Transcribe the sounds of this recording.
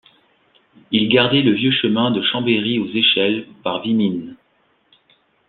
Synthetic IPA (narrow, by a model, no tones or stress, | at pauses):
ilɡaʁd̪ɛləvjøʃəmɛ̃d̪əʃɑ̃beʁiozeʃɛlpaʁvimin